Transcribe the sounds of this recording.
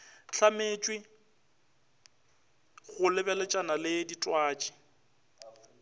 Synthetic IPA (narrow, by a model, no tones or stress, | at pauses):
ɬʰameːt͡ʃʼwɪ | ɣʊlɪbɛlɛt͡ʃʼanalɪditʼwaːt͡ʃʼɪ̥